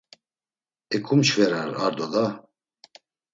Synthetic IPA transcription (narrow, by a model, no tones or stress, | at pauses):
ɛkʰumt͡ʃʰvɛɾaɾa̰ɾd̪ɔd̪a